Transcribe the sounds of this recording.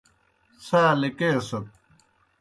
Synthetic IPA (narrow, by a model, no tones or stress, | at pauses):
saːlikeːsɐt̪̚